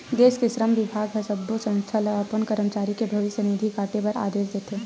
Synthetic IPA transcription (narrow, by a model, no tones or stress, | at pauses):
d̪eːskesɾəmʋɪbʱaːɡɦɐsəbːosə̃ñst̪ʰalɐaːpənkəɾəmt͡ʃaːɾikebʱɐʋɪʃjənid̪ʱikaːʈepɐɾa̰ːd̪eːsd̪eːt̪ʰeː